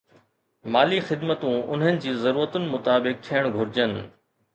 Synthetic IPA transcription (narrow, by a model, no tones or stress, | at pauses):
maːlixɪd̪mət̪ũʊ̰n̤ənɪ̆d͡ʑiːzɐɾuːɾət̪ʊnɪ̆mʊt̪aːbɪk̚t̪ʰiəɽ̃ɡʱʊɾɪd͡ʑənɪ̆